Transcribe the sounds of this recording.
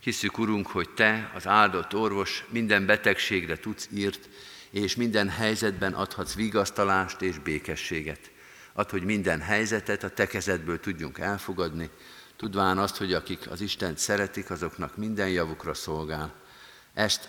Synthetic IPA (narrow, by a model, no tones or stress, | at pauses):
hisːykuɾuŋkho̞ct̪ɛɒ̰zaːld̪o̞t̪ːo̞rvo̞ʃmind̪ɛmbɛt̪ɛkʃeːɡrɛt̪ut̪siːrt̪ | eːʃmind̪ɛnɦɛjzɛd̪bɛnʔɒ̰t̪hɒt̪sʋiːɡɒst̪ɒlaːʃt̪eːʒbeːkɛʃːeːɡɛt̪ | ʔɒt̪ho̞ɟmind̪ɛnɦɛjzɛt̪ɛt̪ɒt̪ɛkɛzɛd̪bøːlt̪uɟːuŋkɛlfoɡɒd̪ni | t̪ud̪ʋaːnɒst̪ho̞ɟɒkikʰɒ̰ziʃt̪ɛnt̪sɛɾɛt̪ikɒzo̞knɒkmind̪ɛnjɒvukrɒso̞lɡaːl | ʔɛst̪